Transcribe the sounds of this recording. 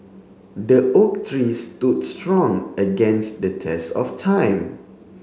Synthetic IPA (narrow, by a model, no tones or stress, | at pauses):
dəʔok̚tʰɹistudstɹɔ̃ŋəɡɛ̃nsdətʰɛstɔftʰãj̃m